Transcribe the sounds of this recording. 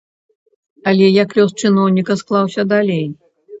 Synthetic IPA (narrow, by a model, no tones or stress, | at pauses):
ɐlʲɛjɐklʲɔst͡ʂɨnɔwnʲikɐsklˠawsʲɐd̪alʲej